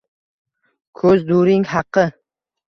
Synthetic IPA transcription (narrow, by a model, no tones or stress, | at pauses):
kʰɵzd̪uɾɪŋhɑqʰːɨ